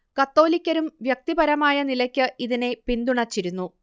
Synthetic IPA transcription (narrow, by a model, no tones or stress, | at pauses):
kɐt̪ːo̞ːlikʲːɐɾumʋjɐk̚t̪ibɐɾɐmaːjɐnilɐkʲːɨʔiðine̞pind̪uɳɐt͡ɕːiɾunːu